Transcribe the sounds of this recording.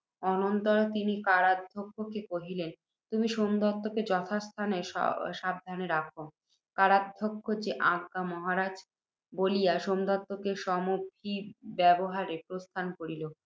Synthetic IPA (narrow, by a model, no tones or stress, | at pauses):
ɔnont̪oɾt̪inikaɾad̪ʱːokʰːokekoɦilen | t̪umiʃomd̪ɔt̪ːoked͡ʑɔt̪ʰast̪ʰaneʃʃab̚d̪ʱaneɾakʰo | kaɾad̪ʱokʰːod͡ʑeʔãɡkamɔɦaɾad͡ʑ | bolijaʃomd̪ɔt̪ːokeʃɔmubʱibɛboɦaɾepɾost̪ʰankoɾilo